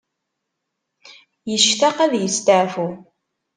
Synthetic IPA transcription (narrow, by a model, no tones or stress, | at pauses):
jəʃt̪aqæðjəst̪əʕfu